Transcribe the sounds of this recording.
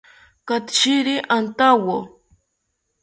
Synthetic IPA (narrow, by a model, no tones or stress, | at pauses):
kat̪ʃiɾiʔant̪awo